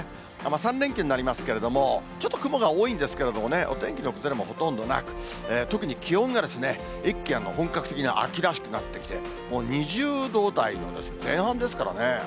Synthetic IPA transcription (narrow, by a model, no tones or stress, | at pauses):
a̰masãnɾeŋkʲoɲ̟inaɾʲimasɨ̥ke̞ɾe̞d̪o̞mo̞t͡ɕo̞t̪ːo̞kɯ̟mo̞ɡaoːĩnd̪e̞sɨ̥ke̞ɾe̞d̪o̞mo̞ne̞ʔo̞̰t̪ẽ̞ŋkʲiɲioke̥zeɾemo̞ho̞t̪õ̞nd̪o̞na̰kɯ̟̥ | eːt̪o̞kɯ̟ɲ̟ikʲihõ̞ŋɡad̪e̞sɨne̞ | ikʲːianːohõ̞ŋkakɯ̟̥t̪e̞kʲiɲ̟ia̰ʔa̰kʲiɾaɕi̥kɯ̟nat̪ːe̞kʲi̥t̪e̞ | mo̞ːɲ̟iʑɨːd̪o̞ːt̪ainod̪e̞sɨ̥zẽ̞ɰ̃hãnd̪e̞sɨ̥kaɾa̰ne̞